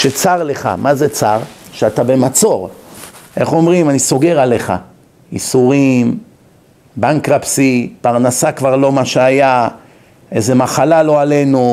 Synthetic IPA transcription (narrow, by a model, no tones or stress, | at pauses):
ʃet͡saʁle̞χa̰mazet͡saʁʃeatabe̞mat͡so̞ʁ | e̞χo̞mʁimaniso̞ɡe̞ʁaleχa̰ | isuʁim | baŋkʁapsipaʁnasakvaʁlo̞maʃeaja | eze̞maχalalo̞ale̞nu